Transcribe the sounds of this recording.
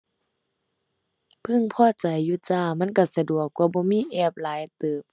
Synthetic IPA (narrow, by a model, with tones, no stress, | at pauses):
pʰɯ˧˥˨ŋpʰɔː˧˩˨t͡ɕa˨jːuː˧˩t͡ɕaː˧˩ma˧˥˨nka˧˩sa˧du˨˩ək̚ːwaː˧˦bɔː˧˦miː˧˥˨ʔɛː˧˩p̚laː˨˦jt̪ɤː˨˩p̚